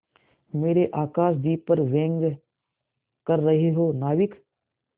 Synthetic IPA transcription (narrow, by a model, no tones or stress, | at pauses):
meːɾeʔaːkaːʃd̪iːpəɾʋẽːŋɡ | kɐɾːɐɦeɦoːnaːʋɪk